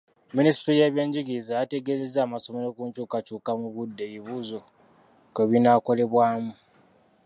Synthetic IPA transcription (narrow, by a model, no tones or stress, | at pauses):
ministɾijeːβje̞ːɲɟiɡizajate̞ɡe̞ze̞zːaːmaso̞me̞ɾo̞kuːɲt͡ʃuːkat͡ʃuːkamuβudːe̞βiβuzo̞ | keβinako̞le̞βwaːmu